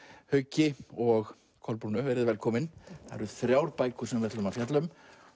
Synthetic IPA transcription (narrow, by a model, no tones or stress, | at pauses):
hœɥcːɪɔɣ | kʰɔlpuːnʏvɛːɾɪðvɛlkʰɔːmɪnθa̰ɛɾʏθɾjaːwɾpaːjkʏ̥sɛmvɛɾt̪ːʏmafjat̪lʏm